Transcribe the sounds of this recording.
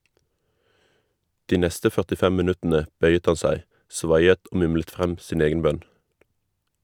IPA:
ˈdiː ˈnɛstə fœʁtɪˈfɛm mɪˈnʉtənə ˈbœʏət ˈhɑn ˈsæɪ ˈsʋɑjət ˈoː ˈmʊmlət ˈfʁɛm ˈsiːn ˈeːɡən ˈbœn

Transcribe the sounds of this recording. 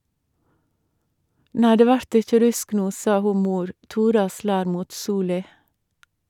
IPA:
ˈnæɪ ˈdeː ˈʋæɾt ˈɪçə ˈɾʉsk ˈnuː ˈsɑ ˈhuː ˈmuːɾ ˈtuːɾɑ ˈslæːɾ ˈmuːt ˈsuːlɪ

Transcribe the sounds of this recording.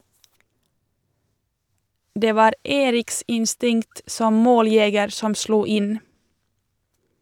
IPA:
ˈdeː ˈʋɑːɾ ˈeːɾɪks ɪnˈstɪŋt ˈsɔm ˈmoːlˌjɛɡəɾ ˈsɔm ˈsluː ˈɪn

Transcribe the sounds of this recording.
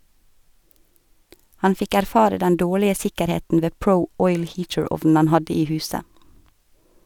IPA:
ˈhɑn ˈfɪk æɾˈfɑːɾə ˈdɛn ˈdoːɭɪə ˈsɪkəɾˌheːtn̩ ˈʋeː ˈpɾəʊ ˈɔʏl ˈhiːtəˌɹɔʋn̩ ˈhɑn ˈhɑdɪ ˈiː ˈhʉːsə

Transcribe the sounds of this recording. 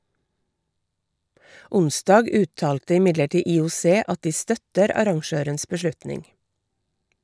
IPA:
ˈʊnˌsdɑːɡ ˈʉːˌtɑːltə ɪˈmɪdləˌʈiː iːʊˈseː ˈɑt ˈdiː ˈstœtəɾ ˈɑɾɑŋˌʃøːɾəns bəˈʃlʉtnɪŋ

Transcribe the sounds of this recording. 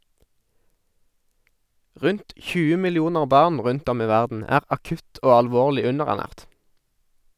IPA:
ˈʁʉnt ˈçʉːə mɪlɪˈuːnəʁ ˈbɑːʁn ˈʁʉnt ˈɔm ˈiː ˈʋæʁdn̩ ˈæːʁ ɑˈkʉt ˈoː ɑlˈʋoːʁlɪ ˈʉnəʁæʁˌnæːʁt

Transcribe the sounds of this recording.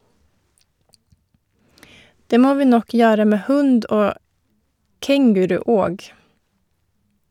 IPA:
ˈdeː ˈmoː ˈʋiː ˈnɔk ˈjøːɾə ˈmeː ˈhʉnd ˈoː ˈkɛŋɡʉɾʉ ˈoːɡ

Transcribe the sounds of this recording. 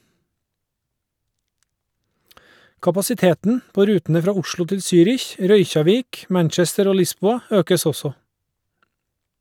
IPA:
kɑpɑsɪˈteːtn̩ ˈpoː ˈɾʉːtəə ˈfɾɑː ˈʊʃɭʊ ˈtɪl ˈsyːɾɪç ˈɾœʏçɑˌʋiːk ˈmæɳt͡ʃɛstəɾ ˈoː ˈlɪˌsbuːɑ ˈøːkəs ˈɔsɔ

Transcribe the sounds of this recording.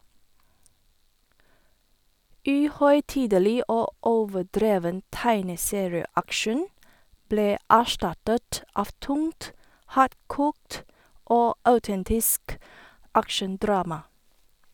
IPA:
ˈʔʉːˌhœʏˌtiːdəˌliː ˈʔoː ˈoːʋəˌdɾeːʋən ˈtæɪnəˌseːɹɪəˌækʃən ˈbleː ˈʔæːˌʃʈɑtət ˈɑːʋ ˈtʊŋt ˈhɑːɾˌkʊkt ˈoː ˈʔɑʉˌtɛntɪsk ˈʔækʃənˌdɾɑːmɑ

